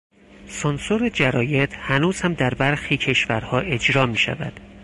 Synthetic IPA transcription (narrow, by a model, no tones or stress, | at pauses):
sɒnsoɾed͡ʒæɾɒːje̞t̪hænuːz̥hæmd̪æɾbæɾxiːcʰe̞ʃvæɾhɒːe̞d͡ʒɾɒːmiːʃæ̰væ̰d̪̥